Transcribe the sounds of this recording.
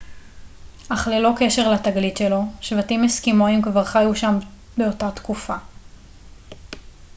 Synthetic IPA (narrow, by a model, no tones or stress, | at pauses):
ʔaχlelo̞ke̞ʃe̞ʁlat̪aɡlitʃelo̞ʃvatimeskimoimkvaʁχajuʃam | beo̞tat̪kufa